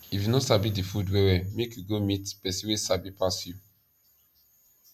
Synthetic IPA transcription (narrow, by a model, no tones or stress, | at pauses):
ifjunɔsabidifudwɛwɛmekjuɡomitpɛsiwesabipasju